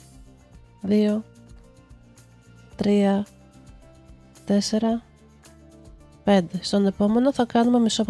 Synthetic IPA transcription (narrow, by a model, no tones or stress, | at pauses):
ðio̞ | t̪ɾiɐ | t̪e̞se̞ɾɐ | pe̞nd̪e̞st̪o̞ne̞po̞me̞no̞θɐkɐnume̞misop